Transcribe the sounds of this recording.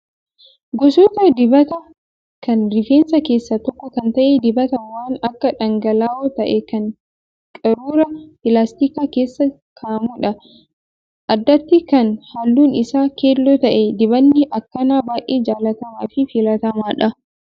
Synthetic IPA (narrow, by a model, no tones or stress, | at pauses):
ɡɔsoːt̪ɐd̪ɪbɐt̪ɐ | kɐnɾɪfeːnsɐke̞ːsːɐt̪ɔkːɔkɐnt̪ɐʔed̪ɪbɐt̪ɐwaːnɐkːɐᶑɐŋɡɐlaːot̪ɐʔɛkɐŋ | kʼɐɾuːɾɐpɪlaːst̪iːkaːke̞ːsːɐ | kʰaːmuᶑɐ | ʔɐd̪ːɐt̪ːɪkɐnhaːlːuːnɪsaːkeːlːɔt̪ɐʔɛd̪ɪbɐnːɪʔɐkːɐnaːbaːʔeːd͡ʒaːlɐt̪ɐmaːfɪfɪlɐt̪ɐmaːᶑɐ